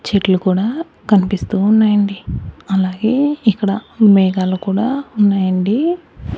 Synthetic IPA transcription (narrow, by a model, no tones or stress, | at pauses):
t͡ʃeʈlukuːɽaː | kɐnipist̪uːnːaːjɐɳɖiɐlaːɡeːikːɐɽɐmɛːɡaːlukuːɽaːunːaːjɐɳɖi